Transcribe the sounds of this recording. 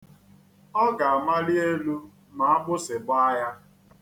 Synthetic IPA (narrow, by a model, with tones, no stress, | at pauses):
ɔ˦ɡa˨a˨ma˦li˦e˦lu˦ | ma˨a˦bʊ˦sɪ˨bʊ˦a˦ja˦